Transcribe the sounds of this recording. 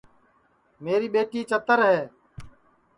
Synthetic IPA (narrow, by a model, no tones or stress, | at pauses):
meːɾiːɓeːʈiːt͡ʃət̪əɾɦɛː